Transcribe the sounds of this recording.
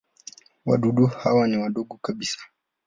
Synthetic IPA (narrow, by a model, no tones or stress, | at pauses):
wa̰ɗuɗuhawaniwaɗɔɡɔkaɓisḁ